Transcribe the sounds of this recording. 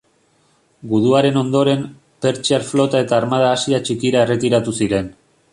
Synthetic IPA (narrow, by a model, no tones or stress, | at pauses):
ɡuðuaɾe̞no̞nd̪o̞ɾe̞m | pe̞ɾt͡ʃiaɾflo̞t̪ae̞t̪aːɾmaðaːsiat͡ʃikiɾaere̞t̪iɾat̪usiɾe̞n